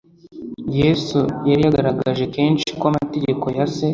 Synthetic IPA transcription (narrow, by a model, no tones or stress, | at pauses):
jeːsujaɾijaɡaɾaɡaʒe̞ke̞ːnʃi̥kwoamaate̞ɟe̞ko̞jase̞